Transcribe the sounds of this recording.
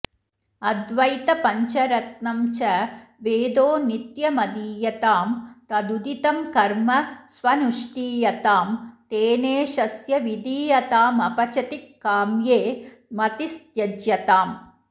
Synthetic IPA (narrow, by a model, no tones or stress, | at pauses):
ɐd̪ʋɐjt̪ɐpɐɲt͡ʃɐɾɐt̪̚nɐmt͡ʃɐʋeːd̪oːnit̪jɐmɐd̪iːjɐt̪aːmt̪ɐd̪ud̪it̪ɐmkɐɾmɐsʋɐnuʂʈiːjɐt̪aːmt̪eːneːʃɐsjɐʋid̪iːjɐt̪aːmɐpɐt͡ʃɐt̪ikːaːmjeː | mɐt̪ist̪jɐd͡ʒjɐt̪aːm